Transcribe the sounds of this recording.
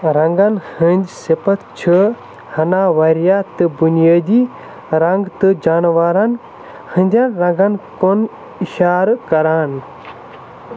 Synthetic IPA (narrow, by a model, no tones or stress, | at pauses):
ɾɐŋɡanhə̃nʲd̪sepɐt̪ʰt͡ʃʰɨ | hɐnaːʋɐɾjaːt̪ɨbunijaːd̪iː | ɾɐŋɡt̪ɨd͡ʒaːnʋaːɾan | hɨnd̪ʲjanɾɐ̃ŋɡɐnkon | iʃaːɾkɐɾaːn